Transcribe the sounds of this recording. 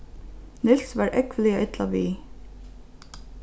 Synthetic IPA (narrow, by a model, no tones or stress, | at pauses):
nɪlsʋæːɹʔɛkʰʋəlɪəʔɪt̪lɑʋiː